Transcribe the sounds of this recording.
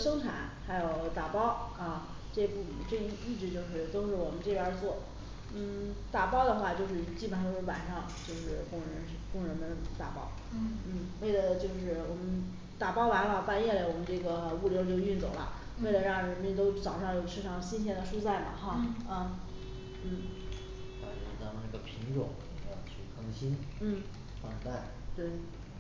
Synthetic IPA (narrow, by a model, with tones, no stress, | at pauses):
ʂɤ˥ŋʈ͡ʂʰa̰˧˥nxa˧˥ɪjo˨˧˩ʊt̪a˨˩pɑ˥ʊɐ˥˧ | ʈ͡ʂe˥˧pu˥˩ʈ͡ʂɤ˥˧˩i˥˩i˥˧˩t͡ɕy˥˧t͡ɕjo˥˧ʊʂɻ̩˥˩t̪o˥ʊʂɻ̩˥˩wɔ˨˩mə˦nʈ͡ʂɤ˥˩pʲja˥˧˥t͡swɔ˥˩ | n̩˥˩t̪a˨˩pɑ˥ʊd̪ə˨xwa˥˧t͡ɕjo˥˧ʊʂ̬ɻ̩˥˧˩t͡ɕi˥˩pa˨˩nfə˧˥ɻ̩˥˩wa˨˩nʂɑ˥˧ŋt͡ɕjo˥˧ʊʂɻ̩˥˧kʊ˥˩ŋɻə˧˥n˥kʊ˥˩ŋɻə˧˥d̪ə˧t̪a˨˩pɑ̰˥ʊ˩ | n̩˥˩we˥˩ɪlə˩t͡ɕjo˥˧ʊʂɻ̩˥˩wɔ˨˩mə˦n | t̪a˨˩pɑ˥ʊwa˧˥ɪwa˥˩pa˥˧njɛ˥˩lə˩wɔ˨˩mə˦nʈ͡ʂɤ˥˩ɡə˩˧u˥˩ljɑ˧˥ʊt͡ɕjo˥˧ʊy˥˩nt͡so˨˩ʊlə̰˦ | we˥˩ɪlə˩ɻɑ˥˩ŋɻə˧˥nmjɛ˥nt̪̬o˥ʊt͡sɑ˨˩ʊʂɑ˥˧ŋjo˥˩ʊʈ͡ʂʰɻ̩˥˧ʂʰɑ˥˩ŋɕi˥nɕ̬jɛ˥nd̪ə˨ʂu˥t͡sa˥˩ɪmɐ̰˨˩xɑ˥˧ə˥˩ | n̩˥˩ | pa̰˨˩ʂɑ̰˥˩t̪ɑ˥˧na˥˧˥ɡə˩pʰi˧˥ŋʈ͡ʂʊ˨˩˦ŋi˧˩˧jɑ˧t͡ɕʰy˥˩kʰɤ˧˥ŋɕi˥nn̩˥˩ | fɑ˥˧ə˧˥t̪a˥˩ɪ | t̪we˥˩ɪ